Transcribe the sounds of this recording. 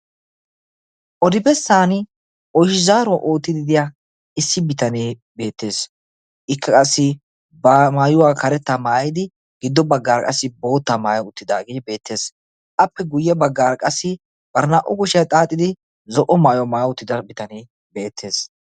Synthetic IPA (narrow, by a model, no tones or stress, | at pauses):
ʔɔd̪ɪbɛsːaːn | ʔɔjʃɪzaːɾɔʔo̞ːt̪ːɪd̪ɪd̪ɪja | ɪsːɪbɪt̪ɐneː | be̞ːt̪ːe̞ːs | ʔɪkʰːɐkʼɐsːɪ | bmaːjʊwaːkɐɾɛt̪ːamaːjɪd̪ɪ | ɡ̥ɪd̪ːɔbɐɡːaːɾkʼɐsːɪbo̞ːt̪ːamaːjɐʊt̪ːɪd̪aːɡɪbe̞ːt̪ːe̞ːs | ʔɐpːɛɡʊjːɛbɐɡːaːɾkʼɐsːɪ | b̥ɐɾnaʔɔkʊʃɛt̪ʼaːt̪ʼːɪd̪ɪ | zɔʔɔmaːjɔmaːjʊt̪ːɪd̪ɐbɪt̪ɐneː | be̞ːt̪ʰːe̞ːs